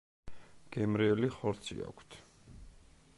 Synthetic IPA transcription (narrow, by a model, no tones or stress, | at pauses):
ɡ̥ɛmɾiɛliχɔɾt̪sʰḭa̰kʷʰt̪ʰ